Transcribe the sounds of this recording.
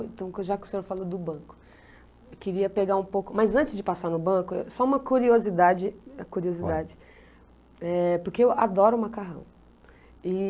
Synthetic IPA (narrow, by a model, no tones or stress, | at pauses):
ẽt̪ɐ̃w̃koʒakɪʊsẽɲoɾfalod̪ʊbɐ̃kʊ̥ | ewkɪɾiɐpeɡaũpowkʊmɐjzɐ̃t͡ʃɪzd͡ʒɪpasaɾnʊbɐ̃kʊesɔũmɐkuɾiozid̪ad͡ʒɪɐkuɾiozid̪ad͡ʒɪ | ɛpʊɾkeewad̪ɔɾʊũmakaɦɐ̰̃w̃ | ɪ